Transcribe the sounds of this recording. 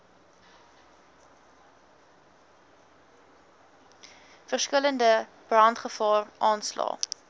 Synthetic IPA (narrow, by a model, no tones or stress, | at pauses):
fərskələndə | b̥rɐntχəfɑːrʔɑːnslɑ̰ː